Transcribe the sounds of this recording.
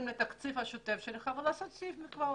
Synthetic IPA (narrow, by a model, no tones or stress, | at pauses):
mnet̪akt͡sifhaʃot̪efʃelχavelaːsot̪̚t͡sifmikva